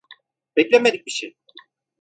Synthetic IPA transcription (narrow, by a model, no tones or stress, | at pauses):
bɛclʲemed̪ic̚biʃḛj